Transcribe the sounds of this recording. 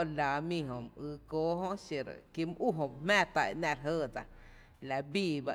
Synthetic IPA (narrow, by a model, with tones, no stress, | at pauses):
la˨mĩ˧ɦõ˨mʔɨː˧˦koː˧˦ɦõ˦ʃe˨ɾ̰ki˧m˧ʔu˦ɦõ˧˨mæ̃ː˦˧t̪a˧ʔʔnã˧˨ɾɦəː˧˨d͡za˨ | la˧biː˧˨ba˧